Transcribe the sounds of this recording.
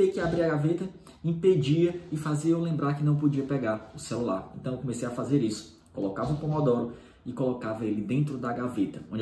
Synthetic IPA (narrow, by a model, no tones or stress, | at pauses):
ejkɪabɾiaɡavet̪ɐ | ĩped͡ʒiɐɪfaziɐowlẽmbɾaɾkɪnɐ̃w̃pod͡ʒiɐpɛɡaɾʊselulaɾḛ̃nt̪ɐ̃w̃ewkomesejafazeɾisʊ̥ | kolokavɐpõmɔd̪ɔɾʊ | ɪkolokavɐelɪd̪ẽnt̪ɾʊd̪aɡavet̪ɐõd͡ʒ